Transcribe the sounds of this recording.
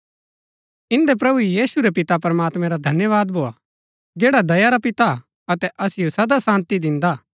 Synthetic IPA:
ɪ̃nd̪epɾɐbujiːsuɾepɪt̪apɐɾɐmaːt̪mɛ̃ɾad̪ʱɐnjəʋaːd̪bʱoːa | d͡ʒeːɽad̪ɐjaɾapɪt̪a | ɐt̪ɛʔɐsɪjosɐd̪asãːnt̪id̪ɪ̃nd̪aː

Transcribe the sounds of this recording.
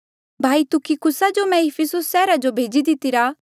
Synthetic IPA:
bʱaːit̪ʊkikʰʊsad͡ʒomɛ̃ɪpʰɪsʊsːɛːɾad͡ʒobʱeːd͡ʒid̪ɪt̪ɪɾaː

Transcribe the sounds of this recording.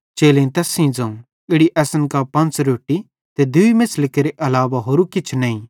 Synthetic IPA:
t͡ʃeːlẽt̪ɛːsĩd͡zɐ̃ũ | ɪɽiʔɛːsənkapɐ̃nt͡sɾoːʈːi | t̪ed̪ʊimɪslɪkeɾeʔɐlaːʋaɦoːɾukɪt͡ʃʰnɐĩ

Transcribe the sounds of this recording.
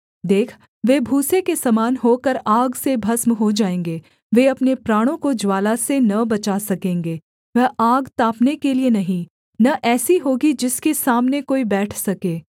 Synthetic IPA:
d̪eːkʰ | ʋeːbʱuːsekesɐmaːnɦoːkɐɾaːɡsebʱɐsmɦod͡ʒaːẽːŋɡeː | ʋeɐpnepɾaːɽ̃õkod͡ʒwaːlasenɐbɐt͡ʃaːsɐkẽːŋɡeː | ʋɛaːɡt̪aːpnekelienɐɦĩ | nɐʔɛːsiɦoːɡid͡ʒɪskesaːmnekoːibɛːʈʰsɐkeː

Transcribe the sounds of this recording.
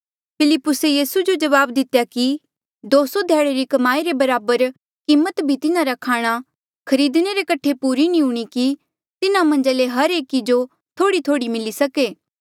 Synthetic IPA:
pʰɪlɪpːʊsejiːsud͡ʒod͡ʒɐʋaːbd̪ɪt̪jaki | d̪oːsod̪ʱjɛːɽeɾikɐmaːiɾebɐɾaːbəɾ | kiːmːət̪bʱit̪ɪnãɾakʰaːɽ̃a | kʰɐɾiːd̪neɾekɐʈʰepuːɾinĩɦʊɽ̃iki | t̪ɪnãmɐ̃nd͡ʒaleɦɐɾeːkid͡ʒo | t̪ʰoːɽit̪ʰoːɽimɪlisɐkeː

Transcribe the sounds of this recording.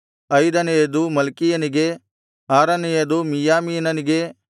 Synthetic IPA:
ɐjd̪ɐnejɐd̪umɐlkijɐniɡe | aːɾɐnejɐd̪umijaːmiːnɐniɡe̞

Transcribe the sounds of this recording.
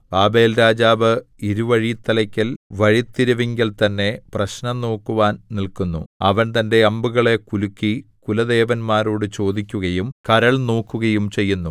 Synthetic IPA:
baːbe̞ːlɾaːd͡ʑaːʋɨ | iɾuʋɐɻit̪ːɐlɐkʲːɐlʋɐɻit̪ːiɾuʋiŋɡɐlt̪ɐnːe̞prɐɕnɐno̞ːkːuʋaːnnilkunːṵɐʋɐnt̪ɐnde̞ɐmbuɣɐɭe̞kulukːikulɐd̪e̞ːʋɐnmaːɾoːɽɨt͡ɕo̞ːd̪ikʲːuɣɐjumkɐɾɐɭno̞ːkːuɣɐjumt͡ɕe̞jːunːu

